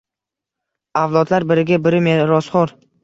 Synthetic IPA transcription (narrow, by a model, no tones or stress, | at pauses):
avlˠɒd̪laɾbɪɾɪɡʲabɪɾɪmeɾɒsχɒɾ